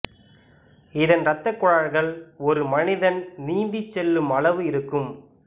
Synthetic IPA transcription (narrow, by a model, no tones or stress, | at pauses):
ɪðɐnɾɐt̪ːɐkːʊɻaːɻɣɐɭɔɾɯmɐnɪðɐnniːnd̪ɪt͡ʃːɛlːɯmɐɭɐʋɯɪɾɯkːɯm